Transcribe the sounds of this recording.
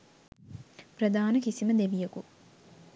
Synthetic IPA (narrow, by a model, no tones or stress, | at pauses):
prɐd̪aːnəkisiməd̪ebijəku